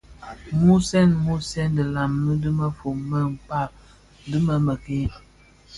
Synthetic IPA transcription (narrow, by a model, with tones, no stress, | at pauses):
mu˦sɛ˦nmu˦sɛ˦ndə˨la˨mnə˦dɨ˦mə˦fo˨mmə˦m̩˨pa˦˨ | dɨ˦mə˦mə˨ki˦